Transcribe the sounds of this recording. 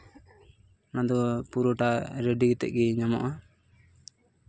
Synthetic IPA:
nad̪ɔpuɾɔʈaɾeɖiɡɛt̪ɛ̰ʔ̚ɡɛɲamɔ̰ʔa

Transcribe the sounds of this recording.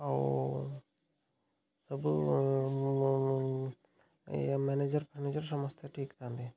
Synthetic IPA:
o | səb | mɛːneːd͡ʒəɾpɾəneːd͡ʒəɾsəməst̪ʰeʈʰiːkt̪ãːnd̪eː

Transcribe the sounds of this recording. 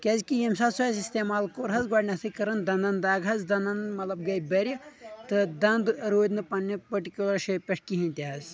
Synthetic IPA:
kʲɐzʲkijɐmsaːsɐzist̪emaːlkoɾɦɐzɡaːɖnʲɐt̪ʰɨkɐɾɐnd̪ɐnd̪ɐnd̪aːɡɦɐzd̪ɐnd̪ɐnmɐt̪lɐb̚ɡɐjbɐɾʲjɐt̪ɨd̪ɐnd̪ɾoːd̪nɨpɐnːipɐʈikʲjulɐɾʃɐpʲɐʈʰkiɦĩnʲt̪ʲiɦɐzʲ

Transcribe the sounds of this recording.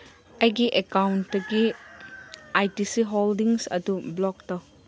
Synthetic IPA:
ɐjɡiʔekawntdɐɡi | ajtisiɦoldiŋsɐ̰dublɔk̚tɔ

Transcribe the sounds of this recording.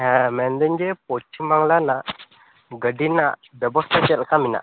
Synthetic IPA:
ɦɛ̃mɛnd̪əɲd͡ʒɛpɔt͡ʃʰimaŋlana | ɡəɖinaʔbjəbɔst̪ʰat͡ʃɛlkamina̰ʔ

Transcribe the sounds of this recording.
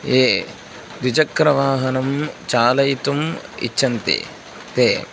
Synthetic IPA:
eː | d̪id͡ʒɐkɾɐʋaːɦɐnɐmt͡ʃaːlɐjt̪umḭt͡ʃːʃʰːɐnt̪ḭ | t̪eː

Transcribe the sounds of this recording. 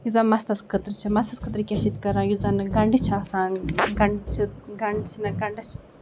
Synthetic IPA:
jud͡zamɐst̪ɐskʰət̪ɾɨt͡ʃʰimɐst̪ɐskʰɨt̪ɾɨkʲɐsit̪kɐɾãːjud͡zanɨɡɐɳɖɨt͡ʃʰasaːnɡɐɳɖt͡ʃʰiɡɐɳɖt͡ʃʰinɐɡɐɳɖɐt͡ʃʰ

